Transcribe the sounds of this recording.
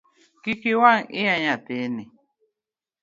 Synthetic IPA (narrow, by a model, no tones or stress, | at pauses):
kikiwaŋeaɲãt̪eni